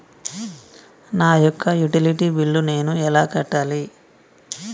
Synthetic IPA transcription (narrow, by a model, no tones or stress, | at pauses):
naːjɔkʰːɐjuʈiliʈibiɭːune̞ːnuɛlaːkɐʈːaːli